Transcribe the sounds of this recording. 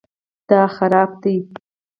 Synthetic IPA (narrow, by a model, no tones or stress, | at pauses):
d̪̥ɑxaɾɑb̚d̪i